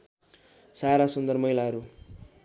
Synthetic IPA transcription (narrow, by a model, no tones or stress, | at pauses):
saɾasʌnd̪ʌrmʌɦilaɦʌɾu